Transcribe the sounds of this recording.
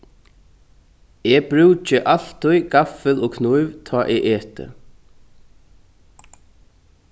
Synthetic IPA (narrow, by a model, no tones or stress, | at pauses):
ɛbɾʉːt͡ʃəʔal̥t̪ʊjɡafəlɔːkʰnujvt̪ʰɔːʔɛʔeːt̪ə̰